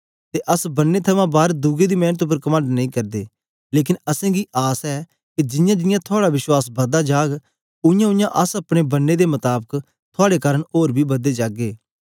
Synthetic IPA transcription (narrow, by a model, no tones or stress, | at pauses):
t̪eʔəsbənːet̪ʰɐmãːbaːɾd̪uɡed̪iːmɛːnət̪̬ʊp̬əɾkɐmə̃ɳɖnɐ̃ĩːkɐɾd̪eː | leːk̬ɪnəsɛ̃ːɡiːʔaːsɛː | kid͡ʒɪjãːd͡ʒɪjãːt̪ʰʊaːɽabɪʃwaːsbɐd̪ad͡ʒaːɡ | ʊɪjãːʊ̃jãʔəsɐpɽ̃eːbɐnːed̪emɐt̪aːbək | t̪ʰʊaːɽekaːɾəɳoːɾbʱiːbɐd̪ed͡ʒaːɡeː